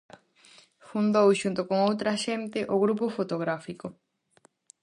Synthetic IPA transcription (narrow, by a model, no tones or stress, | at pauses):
fund̪owʃunt̪okoŋowt̪ɾaʃent̪ɪʔoɣɾupofot̪oɣɾafiko